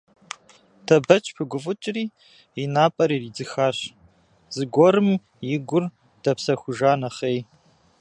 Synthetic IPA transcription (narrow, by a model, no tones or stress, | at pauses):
dʰɐbɐt͡ʃʼpʰɨɡʷʊvʊt͡ʃʼriː | inaːpʼɐɾiːriːd͡zɨxaːɕ | z̥ɨɡʷɔɾɨm | jɪɡʷʊr | d̥ɐpsɐxʷʊʒaːnɐχeːj